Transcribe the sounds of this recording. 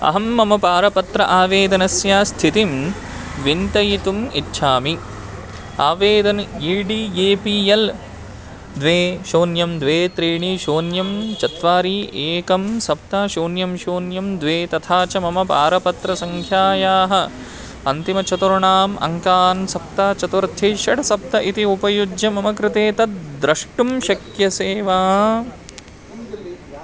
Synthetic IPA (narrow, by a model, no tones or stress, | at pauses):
ɐ̰ɦɐmːɐmɐpaːɾɐpɐt̪ɾɐ̰ʔaːʋeːd̪ɐnɐsjaːst̪ʰit̪im | ʋint̪ɐjit̪umitːʃʰaːmi | aːʋeːd̪ɐniːɖiːeːpiːjɐl | d̪ʋeːʃoːnjɐmd̪ʋeːt̪ɾiːɳiʃoːnjɐmt͡ʃɐt̪ʋaːɾiːeːkɐmsɐp̚t̪aːʃoːnjɐmʃoːnjɐmd̪ʋeːt̪ɐt̪ʰaːt͡ʃɐmɐmɐpa̰ːɾɐpɐt̪ɾɐsɐŋkʰjaːjaːɦɐ | ɐnt̪imɐt͡ʃɐt̪uɾuɳaːmɐ̰ŋkaːnsɐp̚t̪aːt͡ʃɐt̪ʋɐɾt̪ʰjeːʃɐɽɐsɐp̚t̪ɐʔit̪iupɐjud͡ʒjɐmɐmɐkɾɪt̪eːt̪ɐt̪̚d̪ɾɐʂʈumʃɐkjɐseːʋaː